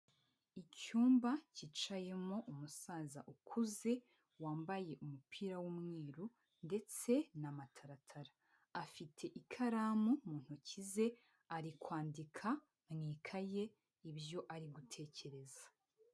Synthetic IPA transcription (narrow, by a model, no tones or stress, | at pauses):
icuːmbacit͡ʃaje̞mo̞ʔumusaːza̰ʔukʰuze̞ | waːmbaje̞ʔumupʰiːɾawumŋiːɾu | nde̞t͡se̞namatʰaɾatʰaɾaː | fitʰe̞ʔikʰaɾaːmumuːn̥hucize̞ | aɾikwaːndikʰa | mŋiːkʰaje̞ | ibjo̞ʔaɾiɡutʰe̞ːce̞ɾe̞zḁ